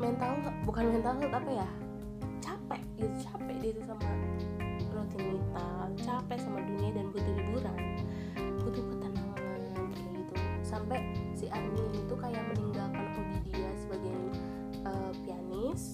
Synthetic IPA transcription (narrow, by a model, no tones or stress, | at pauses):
mant̪aubukanmant̪ausat̪apaja | t͡ʃapɛʔɡit̪ut͡ʃapɛʔdit̪usama | ɾot̪init̪at͡ʃapɛʔsamadunadanbut̪ilibuɾan | kut̪ipət̪anaŋanankait̪usampɛʔsiarnilit̪ukajaʔməniŋɡalkanʔabidiasəbaɡaj | ʔəpianɪs